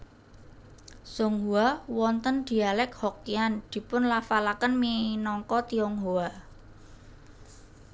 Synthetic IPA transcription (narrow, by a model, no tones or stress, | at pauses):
suŋɦuawɔnt̪ənd̪̥i̤alɛk̚hɔkiand̪̥i̤pʊnlafalakənminɔŋkɔt̪iɔŋɦua